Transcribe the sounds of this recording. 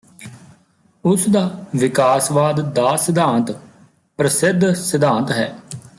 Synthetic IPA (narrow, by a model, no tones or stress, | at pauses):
ʊsd̪aːʋɪkaːsʋaːd̪d̪aːsɪd̪ãːnt̪ | pɾəsɪd̪ʱsɪd̪ãːnt̪ɦɛː